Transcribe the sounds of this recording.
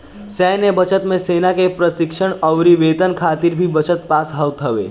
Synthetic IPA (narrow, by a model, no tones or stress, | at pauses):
sɛːnebət͡ʃət̪mẽseːnakepɾəsɪkʃəɽɐʊɾiʋeːt̪ənkʰaːt̪ɪɾbʱibɐt͡ʃət̪̚paːsɦəwt̪ɦɐʋḛː